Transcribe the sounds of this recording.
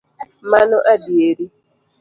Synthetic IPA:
manʊʔadieɾi

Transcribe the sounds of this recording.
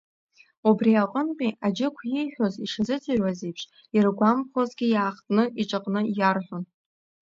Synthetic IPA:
ubriaqʼənqʲʼiad͡ʒɪkʷʰjijħʷᶣoziʂazɨt͡sʼɨrwazejpʰʂ | irɡʷamχozɡʲijaːχtʼnɨiʈ͡ʂʼaqʼnɨjarħʷᶣon

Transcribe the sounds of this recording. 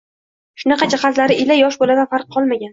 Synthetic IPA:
ʃʊnɑqɑt͡ʃʰaχazlaɾɪʔɪlajɒʃbolad̪anfaɾqʰːɒlˠmaɡʲan

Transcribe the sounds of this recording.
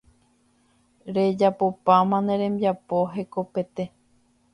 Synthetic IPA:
ɾe̞d͡ʒapopamãnẽɾẽ̞mbiapoɦeko̞pe̞t̪e

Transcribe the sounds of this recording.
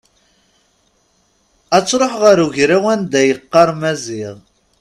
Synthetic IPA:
æt͡sːɾˤoħʁəɾuʝɾæwænd̪æjəqːɑɾˤmæziʁ

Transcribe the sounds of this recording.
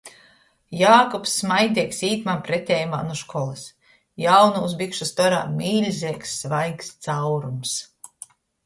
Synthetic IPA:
jaːkɔpsːmajd̪ʲiɛksiːt̪mampɾet̪ʲɛːjuma̰nuʃkʰɔlˠɨs | jawnuusbikʃust̪ɔɾa̰ːmiːlʲzʲiɛksːvajkst̪sawɾums

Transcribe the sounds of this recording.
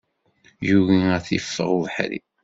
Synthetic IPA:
juɣiæθifːə̰ʁuðħɾḭ

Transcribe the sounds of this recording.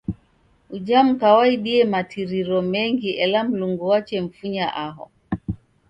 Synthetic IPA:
ud͡ʒam̩kawaiɗiɛmatʰiɾiɾɔmɛŋɡiʔɛlam̩luŋɡuwat͡ʃɛm̩fuɲaʔaɦɔ̰

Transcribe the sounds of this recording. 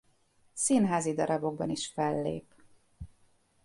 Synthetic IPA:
sinɦaːzid̪ɒɾɒbo̞ɡ̚bɒniʃfɛlːḛːp

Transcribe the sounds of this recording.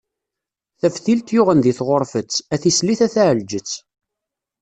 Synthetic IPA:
θæfθilt̪jʊʁənðiθʁoɾˤfət͡sːæθisliθæθæʕəld͡ʒət͡sː

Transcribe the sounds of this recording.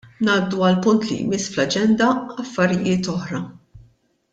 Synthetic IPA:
nɐːd̪ːuɐlpʊnt̪lḭjmɪsːflɐd͡ʒɛnd̪ɐɐfːɐɾɪjɪːt̪ɔħɾɐ

